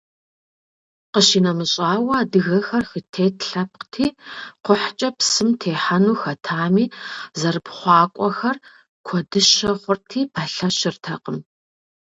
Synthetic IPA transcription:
qəʃiːnɐmɨɕʼaːwɐadɨɣɐxɐrxɨtʰeːtʰɬɐp̚qtʰiːqʷʊħt͡ʃʼɐpsɨmtʰeːħanuːxɐtʰaːmiːzɐrɨpχʷɑːkʷʼɔxɐr | kʷʰɔdɨʃɐχʷʊrtʰiːpʰaɬɐɕɪrtʰɐqəm

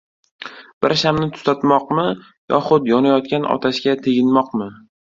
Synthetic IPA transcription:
b̥ɪɾʃamnɪt̪ʰʊ̥sat̪mɒqmɪ | jɒ̰χʊt̪jɒnajɒt̪kʲanʔɒ̰t̪ʰaʃkʲat̪ʰeɡʲɪnmɒqmɪ

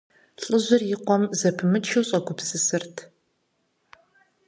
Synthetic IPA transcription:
ɬʼɨʑʷɪrjɪqʷɔmzɐpʰɨmɨt͡ʃʰiwɕʼɐɡʷʊpsɨsɨrtʰ

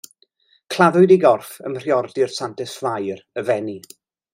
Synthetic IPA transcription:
kʰl̥ˠaðʊɨdiɡɔrfə̰mr̥jɔrdɪrsantɪsflˠajrəvɛni

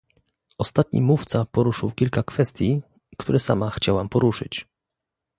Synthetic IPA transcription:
ɔst̪at̪ɲḭmuft̪sapɔɾuʂɘwkʲilkakfɛst̪ʲji | kt̪ʰuɾɛsa̰maxt͡ɕawampɔɾuʂɘ̰t͡ɕ

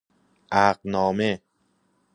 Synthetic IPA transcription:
ʔæɢnɒːme

